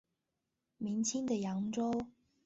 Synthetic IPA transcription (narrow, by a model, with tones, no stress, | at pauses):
mi˨˥ŋt͡ɕʰi˥ŋd̪ə˨jɑ˨˥ŋʈ͡ʂo˥w